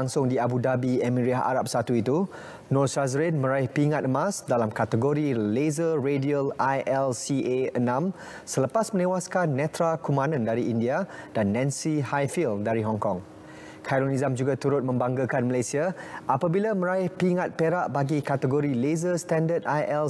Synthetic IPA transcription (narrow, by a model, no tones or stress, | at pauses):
aŋsʊŋdiabudabiɛmĩɾiaɦʔa̰ɾap̚sat̪uit̪u | nɔsazəɾenmə̃ɾaɪhpiŋat̪əmãsdalamkat̪əɡoɾilezərediəlajʔɛlsieənãm | sələpasmə̃nẽwaskanːɛ̃t̪ɾakumãnə̃ndaɾiindiad̥anːɛ̃nsihajfildaɾiɦɔŋkɔŋ | kʰaɾonizamd͡ʒuɡat̪uɾʊt̪̚mə̃mbaŋɡakanməlajsiaʔapabilamə̃ɾaɪhpiŋat̪̚peɾaʔbaɡikat̪əɡoɾilezəst̪ɛndət̪̚ajʔɛl